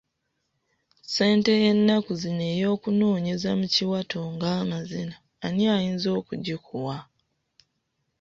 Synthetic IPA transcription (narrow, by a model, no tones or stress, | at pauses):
se̞ːnte̞jenːakuzine̞ːjo̞ːkunoːɲe̞zamuciwatoŋɡaːmazinaːniajiːnzo̞ːkuɟikuwa